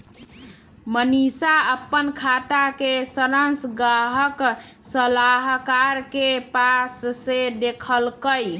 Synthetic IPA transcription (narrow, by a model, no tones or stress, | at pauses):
mənisaəpːənkʰat̪akesəɾənsɡaɦəksəlaɦkaɾkepassed̪ekʰəlkəj